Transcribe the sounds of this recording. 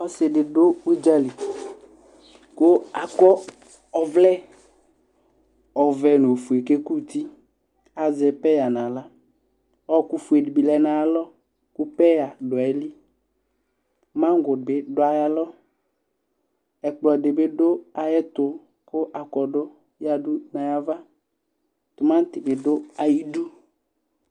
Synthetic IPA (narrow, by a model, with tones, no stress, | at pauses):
ɔ˦sɪ˨ɖɪ˨ɖo˦wi˦d͡ʒa˦li˨ | ko˦a˨kɔ˦ | ɔ˨vlɛ˦ | ɔ˨vɛ˨no˨fu˨e˨ke˦ku˦˨t̪i˦ | a˨zɛ˨pɛ˦ja˨nã˨la˦ | ɔ˦ku˦fu˨e˨di˨bi˨lɛ˨nã˨˦lɔ˦ | ku˦pɛ˦ja˨dʊ˨ɛ˨˦li˦ | mã˦ŋ˦ɡʊ˨bɪ˨˦dʊ˦a˨ja˨lɔ˦ | ɛ˨k͡plɔ˨dɪ˨bɪ˦dʊ˦a˨jɛ˦t̪ʊ˨ | kʊ˦ʔa˨kɔ˨dʊ˦ | ja˨dʊ˦na˨ja˦va˦ | t̪ʊ˨mã˦n˦t̪ɪ˨bɪ˨dʊ˦a˨ji˦du˦